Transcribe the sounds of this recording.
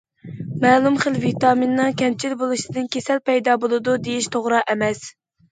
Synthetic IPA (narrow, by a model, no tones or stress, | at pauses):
mɛːlˠumχəlvit̪ɑminːɨŋkʲʰɛmt͡ʃʰilbolˠɨʃɪd̪ɨnkʲesɛlpɛjd̪ɑbolˠɨd̪ud̪ejiʃt̪ʰoʁɾɑʔɛmɛs